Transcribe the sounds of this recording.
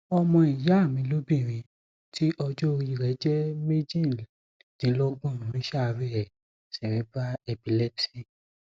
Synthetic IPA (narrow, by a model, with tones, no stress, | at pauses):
ɔ˧mɔ̃˧i˨ja˨˦˨mĩ˨˦lo˦bĩ˦˨ɾ̃ĩ˨˧ | tʰi˦ʔɔ˧d͡ʒo˦o˦˧ɾi˦˨ɾɛ˨˦d͡ʒɛ˦me˦d͡ʒĩ˦˨ | nĩ˨˦lɔ˦ɡ͡bɔ̃˦˨nũ˨˦ɾ̃ĩ˦ʃa˦˨˧ɾi˦ɛ˨ | sɛ˨ɾ̃ĩ˨˦ba˦ɛ˧˨bi˨lɛ˦bsi˦˨